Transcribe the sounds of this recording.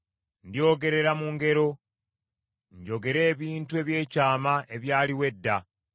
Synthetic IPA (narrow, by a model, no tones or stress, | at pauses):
ndjo̞ːɡe̞ɾe̞ɾamuŋɡe̞ɾo̞ | ɲɟo̞ɡe̞ɾe̞ːβiːntue̞βje̞ːcaːmaʔe̞βjaːliwe̞dːa